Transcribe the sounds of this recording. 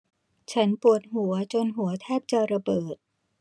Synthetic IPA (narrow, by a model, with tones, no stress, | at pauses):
t͡ɕʰa˦˥npu˨˩ət̪̚ɦhu˩˦ɐt͡ɕo˧nɦu˨˩˦ɐt̪ʰɛː˥˩p̚t͡ɕa˧ɾa˧bɤː˨˩t̪̚